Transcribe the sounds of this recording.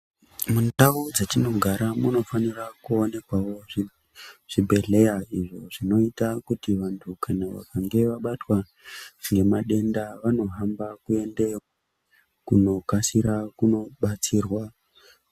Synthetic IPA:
mundaʋod͡zetino̞ɡʱaɾamuno̞fanirakuone̞kwaʋo̞ʐi | ʐ̥ibʱe̞ɮe̞jaiʐo̞ʐino̞itakutiʋantʰukanaʋa̰kaŋɡe̞ʋaɓatwa | ŋɡe̞maɗe̞ndaʋano̞ɦambakue̞nde̞ | kuno̞kasiɾakuno̞ɓat͡siːrwa

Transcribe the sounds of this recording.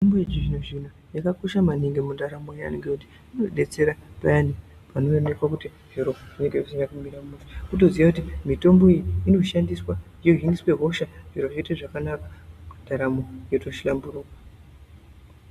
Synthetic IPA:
itombojed͡ʒiʐinoʐin̤u | jakako̞ʃamaniŋɡemundaɾamoja̰niŋɡekuti̥ | inoɗe̞t͡se̞ɾapajani | panoonekwakuti | ʐ̥iɾo̞ʐ̥ine̞ŋɡekusindakumiɾamuʐi̥kuto̞ziʋakutimito̞mbo̞ijiino̞ʃandiswa | ijo̞ɦiŋɡiswe̞ɦo̞ʃaʐ̥iɾo̞ʐeiteʐakanakḁmundaɾamo̞joto̞ʃilamburuːkwa

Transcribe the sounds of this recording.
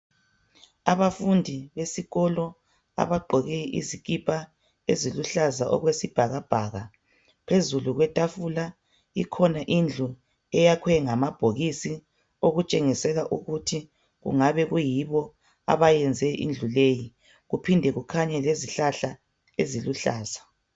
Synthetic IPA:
aβafundʱiβesiɣɔlɔ | a̰βaɡ͡ǃʱɔɣɛʔḭzikʼipʰʼa | eziluɬazaʔɔ̰ɣwesib̥ʱaɣab̥ʱaːɣa | pʰezuluɣwɛtʼafula | ikʰɔnaʔind͡ɮʱu | ɛjakʰwɛŋamab̥ʱoɣisi | oɣut͡ʃʼeŋisɛɣaʔuɣutʰi | ɣṵŋaβɛɣujiβɔ | a̰βajɛnd͡zʱɛʔḭnd͡ɮʱuleji | ɣupʰindʱɛɣukʰaɲɛleziɬaɬa | eziluɬaːz̥a

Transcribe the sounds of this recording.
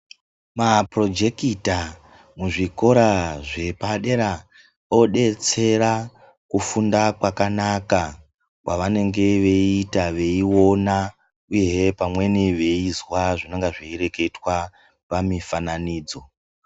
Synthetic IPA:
mapro̞d͡ʒe̞kita | muʐiko̞ɾaʐe̞paɗe̞ɾa | o̞ɗe̞t͡se̞ɾa | kufundakwakanaka | kwaʋane̞ŋɡe̞ʋe̞itaʋe̞iwo̞na | uje̞pamwe̞niʋe̞izwaʐinaŋɡaʐeiɾe̞ke̞twa | pamifananiːd͡zo̞

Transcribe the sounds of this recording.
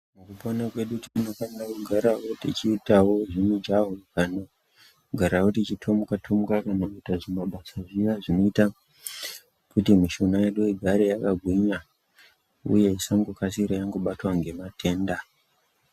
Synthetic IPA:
mukuponakwe̞ɗutitinokandakuɡʱaɾawo̞tit͡ʃiːtawo̞ʐinid͡ʒaɦokano | ɡʱaɾawotit͡ʃitʰo̞mukatʰomukakanokitaʐimaɓasaʐiʋaʐinoita | kutimiʃonajeɗuiɡʱaɾejakaɡʱwiɲa | ṵje̞isaŋɡokasiɾajaŋɡo̞ɓatwaŋɡe̞matʰe̞ːnda

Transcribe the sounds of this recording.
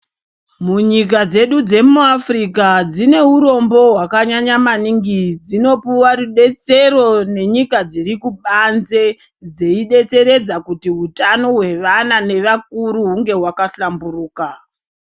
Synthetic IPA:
muɲik̬ad͡ze̞ɗud͡ze̞muafrikad͡zine̞uɾo̞mbo̞ɦwakaɲaɲamaniŋɡid͡zino̞puwaruɗe̞t͡se̞ro̞ne̞ɲikad͡ziɾikuɓanze | d͡ze̞iɗe̞t͡se̞ɾe̞d͡zakutiɦutano̞ɦwe̞ʋanane̞ʋak̚uɾuɦuŋɡe̞ɦwakaɬamburuːka

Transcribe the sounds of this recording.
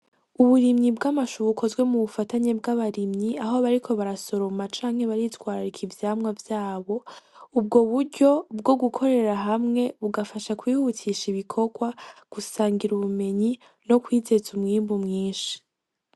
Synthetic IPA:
uβuɾimɲibɡamaʃuβukʰo̞zɡwe̞muβufataɲe̞bɡaβaɾimɲiaɦo̞βaɾikʰo̞βaɾaso̞ɾo̞mat͡ʃaːŋhe̞βaɾitwaːɾaɾikʰivjaːmŋavjaːβo̞ub̚ɡo̞βuɾɟo̞b̚ɡo̞ɡukʰo̞ɾe̞ɾaɦamŋe̞βuɡafaʃakwiːhutʰiʃiβikʰo̞ɡwaɡ̥usaːŋɡiɾuβume̞ɲi | no̞kwiːze̞zumŋiːmbumŋiːnʃi̥

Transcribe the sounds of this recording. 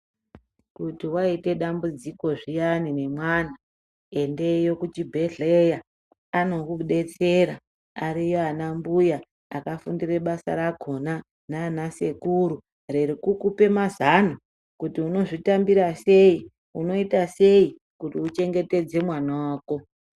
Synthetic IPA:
kutiwaite̞ɗambud͡ziko̞ʐijanine̞mwan̤a | e̞nde̞jo̞kut͡ʃibʱe̞ɮeja | ano̞kuɗe̞t͡se̞ɾa | aɾijo̞anambujaː | kafundire̞ɓasa̰ɾaɡʱo̞na | naːnasekuɾu | reɾikukupe̞mazan̤u | kutiuno̞ʐitambiɾase̞i | uno̞itase̞i | kutiut͡ʃe̞ŋɡe̞te̞d͡ze̞mwanawaːko̞

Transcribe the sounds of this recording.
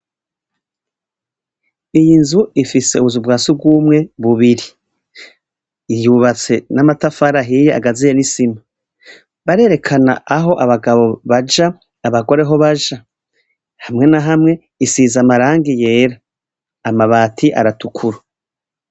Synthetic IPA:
ijinzuifise̞̰uβuzubɡaːsub̚ɡwuːmŋe̞βuβiɾi | ijuβat͡se̞namatafaɾaɦijea̰ɡazijenisima | βaɾe̞ːɾe̞kʰana̰aɦo̞ʔaβaɡaβo̞βad͡ʒaː | βaɡo̞ɾe̞ɦo̞βaʒa | hamŋe̞naɦamŋe̞ | isiːzamaɾaːŋɡije̞ːɾaː | maβaːtʰiʔa̰ɾatukʰuɾu

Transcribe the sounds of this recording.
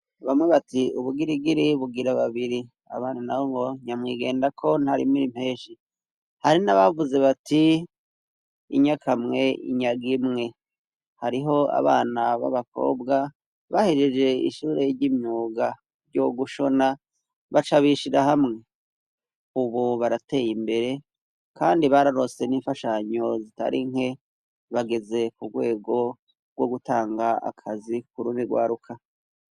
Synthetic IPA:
βamŋeβatiuβuɡiɾiɡiɾiβuɡiɾaβaβiɾi | a̰βaːnunahoŋɡo̞ɲamŋiːɡe̞ːndakʰo̞nhaɾḭmiɾim̥he̞ːʃi | haɾinaβavuze̞βati | ḭɲakʰamŋe̞ḭɲaɡimŋe̞ | haɾiɦo̞a̰βa̰ːnaβa̰βako̞̰ːbɡa | βahed͡ʒed͡ʒe̞ḭʃuːɾe̞ɾɟimɲuːɡa | ɾɟoɡuʃo̞na | βat͡ʃaβiʃiɾahamŋe̞ | uβuβaɾate̞ːjimbe̞ɾe̞ | kaːndiβaɾaɾo̞se̞niːɱfaʃaɲo̞zita̰ɾʔiŋhe̞ | βaɡe̞ze̞kuɡwe̞ːɡo̞ | ɡwo̞ɡutaːŋɡaa̰kʰazik̚uɾumiɡwa̰ːɾukʰa

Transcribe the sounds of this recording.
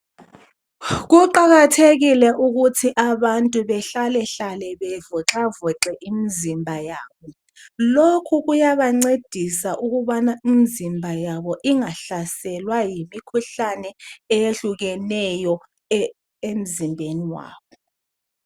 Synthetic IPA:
ɣ̬uǃaɣatʰeɣilɛʔuɣ̬utʰiʔaβantʼuβɛɬalɛɬalɛβɛvɔǁavɔǁɛʔimizimbʱajaːɓɔ | lokʰuɣujaβaŋ͡ǀed̥ʱisaʔuɣuɓanaimizimbʱajaɓɔʔiŋaɬasɛlwajimikʰuɬanɛɛjeɬuɣɛnɛjɔ | em̩zimbʱeniwa̰ːɓɔ

